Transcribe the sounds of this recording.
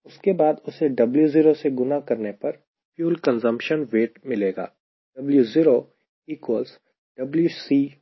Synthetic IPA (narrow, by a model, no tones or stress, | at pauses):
ʊskebaːd̪ʊseɖɐbljuziːɾoseɡʊnakɐɾnepɐɾ | fjuːlkə̃nzə̃mpʃənʋeːʈmɪleːɡa̰ː | ɖ̥ɐbljuziːɾo | iːkwəls | ɖ̥ɐbljusiː